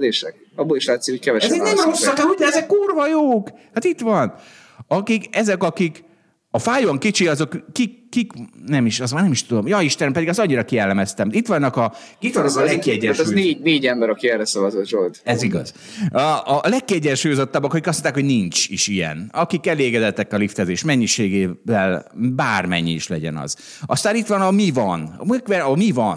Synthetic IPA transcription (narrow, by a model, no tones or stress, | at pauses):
deːʃɛk̚ | ɒbːoliʃlaːt̪sikocʲkɛvɛʃɛzɛknɛmrosːɒkɛud̪ɛzɛkːuːrvɒjoːkhat̪it̪ʋɒn | ɒkikɛzɛkɒkik | ɒfaːjoŋkit͡ʃiɒzo̞kːikːiknɛmiʃɒzmaːrnɛmiʃt̪ud̪o̞mjɒiʃt̪ɛnpɛd̪iɡɒst̪ɒɲːiɾɒkiɛlːɛmɛst̪ɛmit̪ʋɒnːɒkɒit̪nklɛkkːiɛɟːɛʃɛzneːɟneːɟɛmbɛɾɒkiɛrɾɛsɒvɒzot̪ʒold̪ɛziɡɒ̰z | lɛkːiɛɟːɛnʃuːjo̞zo̞t̪ːɒbːɒkɒkikɒs̬onaːkhonint͡ʃḭʃijɛ̰nɒkikɛleːɡɛd̪ɛt̪ːɛkɒlift̪ɛzeːʃmɛɲːiʃeːɡeːvɛlbaːrmɛ̰ɲːiiʃlɛ̰ɟɛ̰nɒ̰z̥ | ɒst̪aːnit̪ʋɒnɒmivɒn̰mikʋɛɒmivɒn